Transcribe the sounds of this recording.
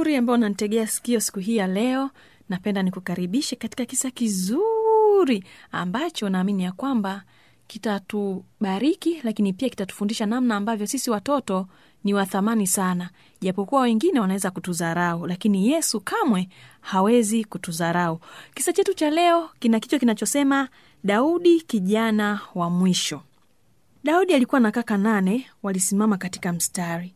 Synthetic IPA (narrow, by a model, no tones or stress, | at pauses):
uɾiambaɔnanitɛɠɛasi̥kiɔsi̥kuɦiːjalɛɔ | napɛndanikukaɾiɓiʃɛkati̥kakisakizuɾiambat͡ʃɔnaːminijakwamba | kitatuɓaɾikilakinipiaki̥tatu̥fundiʃanamnaːmbavjɔsisiwatɔtɔ | niwaθamanisana | ʄapɔkuwawɛŋɡinɛwanawɛzakutuzaɾaulakinijɛsukʰamwɛhawɛzikutuzaɾaukisat͡ʃɛtut͡ʃalɛɔkinakit͡ʃɔkinat͡ʃɔsɛma | ɗauɗikiʄanawamwiʃɔ | ɗauɗialikuwanakakananɛwalisimamakati̥kam̩staɾi